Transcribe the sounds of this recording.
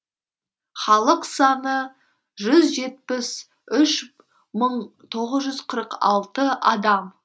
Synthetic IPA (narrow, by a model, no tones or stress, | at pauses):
χɑlˠəqsɑnə | ʒʏzʒe̞t̪̚pɪs | ʏʃ | məɴt̪ʰo̞ʁəzʒʏzqʰəɾəqɑ̰lˠt̪əɑd̪ɑm